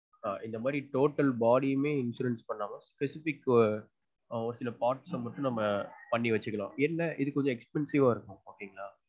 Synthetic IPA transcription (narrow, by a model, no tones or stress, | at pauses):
aːʔɪnd̪ɐmaːd̪ɾiʈoːʈːɐlbaːɽimeːɪnsʊɾɛnspɐɳːaːmɐspɛsɪfɪkː | ɔɾɐsɪlɐpaːɾʈsɐmɐʈːʊ̃nɐmːɐpɐɳːiʋɐt͡ʃːɯkːɐɭã̰ːɛnːɐʔɪðɯkːɔɲd͡ʒɔ̃ɛkspɛnsɪʋaːɪɾɯkːʊ̃oːkːeŋɡɐɭaː